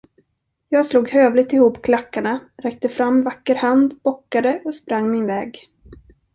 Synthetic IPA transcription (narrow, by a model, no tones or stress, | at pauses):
jɑːɡsluːɡhøːvlɪɡ̚t̪ɪhuːpːkʰlakːaɳaɾɛk̚t̪əfɾamːvakːəɾhand̪bɔkːad̪əʔɔspɾaŋːmɪnvɛːɡ